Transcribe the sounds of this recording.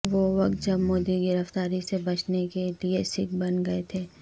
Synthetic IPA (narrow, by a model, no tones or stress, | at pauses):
ʋoʋɐkt̪̚d͡ʒɐbmoːd̪iɡɪɾəft̪aːɾisebɐt͡ʃnekeliesɪk̚bɐnɡɐet̪ʰeː